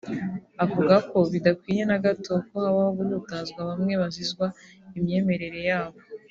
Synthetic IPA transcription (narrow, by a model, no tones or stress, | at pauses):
avuɡako̞βidakwiːje̞naɡato̞kohaβaoβuɾutazɡwaβamŋe̞βazizɡwaimɲe̞ːme̞ɾe̞ɾe̞jaːβo